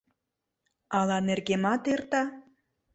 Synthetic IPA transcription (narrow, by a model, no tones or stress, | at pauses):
ɑlɑnerɣemɑt̪ert̪ɑ